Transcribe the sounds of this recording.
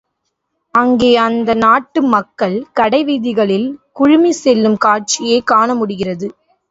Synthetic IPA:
ɐŋɡeːɐnd̪ɐnaːʈːɯmɐkːɐɭkɐɽɐɪʋiːðɪɣɐɭɪlkʊɻɪmisɛlːɯmkaːr̚t͡ʃɪjeːkaːɳɐmʊɽɪɣɪrɐðɯ

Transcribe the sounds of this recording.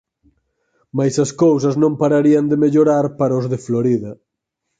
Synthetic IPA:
majsɐskows̬ɐznõmpaɾaɾiɐnd̪emeʎoɾaɾpaɾaʊzðɪfloɾiðɐ

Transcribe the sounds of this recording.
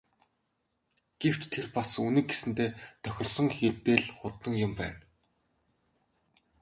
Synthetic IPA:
ɡ̥ew̥t͡ɕt̪ʰerpasunɘ̆k̚ɡesɘ̆nt̪eːt̪ʰœxʲɪ̆rsɞ̆ŋxirt̪eːɮχʊt̪ːə̆ŋjʊmpæ̰ːn

